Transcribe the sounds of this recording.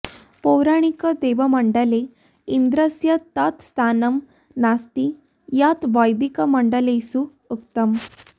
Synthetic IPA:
powɾaɽ̃ikəd̪eʋəməɳɖəle | ind̪ɾəsjət̪at̪st̪ʰanəm | nast̪i | jat̪ʋajd̪ikəməɳɖəlesu | uk̚t̪əm

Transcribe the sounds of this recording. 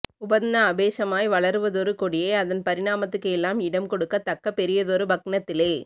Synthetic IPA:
ʊbɐðɪnɐːbeːsɐmaːjʋɐɭɐɾɯʋɐðɔɾɯkɔɽɪjeːɐðɐnpɐɾɪɽaːmɐt̪ːɯkːɯɛlːaːmɪɽɐmkɔɽɯkːɐt̪ːɐkːɐpːɛɾɪjɐðɔɾɯbɐknɐt̪ːɪleː

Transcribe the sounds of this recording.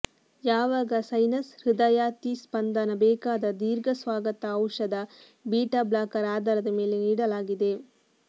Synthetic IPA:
jaːʋaːɡɐsɐjnɐsɾid̪ɐjaːt̪ispɐnd̪ɐnɐbɛːkaːd̪ɐd̪iːɾɡɐsʋaːɡɐt̪ɐːwʂɐd̪ɐ | biːʈɐblaːkɐɾaːd̪ɐɾɐd̪ɐmeːleniːɽɐlaːɡid̪e

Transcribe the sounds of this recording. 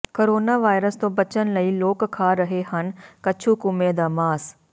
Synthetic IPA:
koɾoːnaːʋaːɪɾəst̪õːbət͡ʃənləiːloːkkʰːaːɾəɦehənkət͡ʃʰuːkʊmed̪aːmaːs

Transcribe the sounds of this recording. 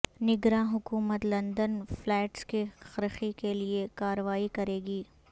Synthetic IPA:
nɪɡɾãɦʊkuːmət̪lɐ̃nd̪ənflɛːʈskixɐɾxikeliekaːɾəʋaːikɐɾeːɡiː

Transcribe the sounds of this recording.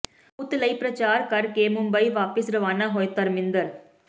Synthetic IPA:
ʊt̪ːɪlɐɪpɾɐt͡ʃaːɾkɐɾkeːmʊmbɐɪʋaːpɪsɾɐʋaːnɐɦojt̪ːɐɾmɪnd̪ɐɾ

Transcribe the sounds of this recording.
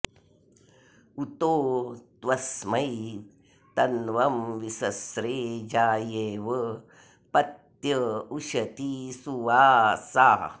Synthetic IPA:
ut̪oːd̪̥ʋɐsmɐj | t̪ɐnʋɐmʋisɐsɾeːd͡ʒaːjeːʋɐ | pɐt̪jɐuʃɐt̪isuʋaːsaː

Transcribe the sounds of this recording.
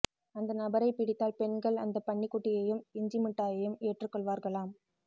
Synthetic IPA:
ɐnd̪ɐnɐbɐɾɐɪpɪɽɪt̪ːaːlpɛɳɡɐɭɐ̰nd̪ɐpːɐɳːikːʊʈːɪjɐjɯmɪɲd͡ʒɪmɪʈːaːjɐjɯmeːʈrɯkːɔɭʋaːɾɣɐɭaːm

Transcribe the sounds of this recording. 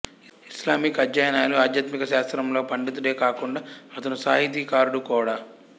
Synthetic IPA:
iislaːmikɐd͡ʒːaːjɐnaːjɐluaːd̪jɐt̪mikɐʃaːst̪ɾɐmlo̞ːpɐɳɖit̪uɽe̞ːkaːkuɳɖaːɐt̪ɐnusaːɦit̪iːkaːɾuɽukɔːɽaː

